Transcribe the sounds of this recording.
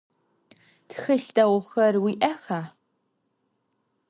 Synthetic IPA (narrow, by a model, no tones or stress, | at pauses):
txɨɬtʼɐwxɐrwiːʔɐxaː